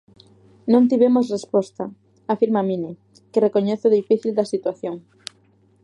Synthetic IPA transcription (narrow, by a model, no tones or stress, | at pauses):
nõnt̪̬iβemosrespɔst̪a | afiɾmamĩnɪ | kerekoɲeθʊðifiθild̪ɐsit̪waθjoŋ